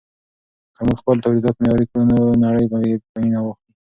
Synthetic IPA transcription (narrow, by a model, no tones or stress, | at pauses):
kəmuɡxpəlt̪awlid̪ɑt̪mejɑɾikɽunonaɽəjbajed̪pajinawaxt̪i